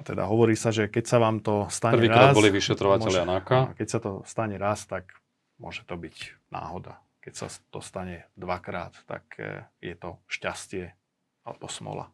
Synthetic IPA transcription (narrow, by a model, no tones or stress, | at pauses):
t̪ɛd̪a̰ɦɔʋɔɾiːsaʒɛkɛcsaʋaːmt̪ɔst̪aɲrɛʋiːɾkɾadbɔliʋiʃɛt̪ɾɔʋamcɛlɪanakakɛcsat̪ɔst̪aɲɛɾaːst̪ak | mʊɔʒɛt̪ɔbicna̰ːɦɔd̪a | kɛcsa̰t̪ɔst̪aɲɛd̪ʋakɾa̰ːt̪t̪ːa̰kjɛt̪ɔʃcascɪɛ | alɛbɔsmɔ̰la̰